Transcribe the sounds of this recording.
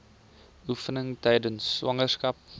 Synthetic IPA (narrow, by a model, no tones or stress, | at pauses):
ufənəŋtɛjdənsːwɐŋərskɐp̚